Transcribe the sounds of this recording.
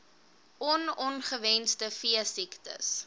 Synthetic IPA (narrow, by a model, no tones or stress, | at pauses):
ɔnɔnχəvɛnstəfiəsiktə̰s